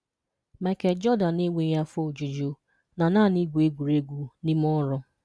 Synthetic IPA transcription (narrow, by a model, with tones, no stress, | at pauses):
me˨ke˨d͡ʒɔ˦da˨ne˦ŋʷe˦ja˦fo˦˨d͡ʒu˨d͡ʒo˨ | na˨na˦˨ni˦ɡʷu˨e˦ɡʷu˨ɾe˦ɡʷu˨ni˦m˦ɔ˦ɾɔ˦